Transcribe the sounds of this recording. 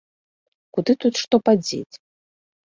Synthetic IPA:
kud̪ɨt̪ut̪ʂt̪ɔpad͡zʲḛt͡sʲ

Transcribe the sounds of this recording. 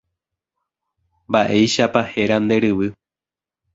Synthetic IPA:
mbaʔe̞jʃapahe̞ɾand̪e̞ɾɨʋɨ

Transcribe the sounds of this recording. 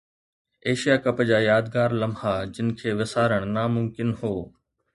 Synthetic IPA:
eːʃijaːkɐpd͡ʑaːjaːd̪̚ɡaːɾlɐmhaːd͡ʑɪnɪ̆kʰeːʋɪsaːɾəɽ̃naːmʊmkɪnhoː

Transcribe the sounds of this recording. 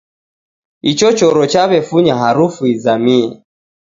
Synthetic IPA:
it͡ʃɔt͡ʃɔɾɔt͡ʃaβɛfuɲaɦaɾufuizamiɛ

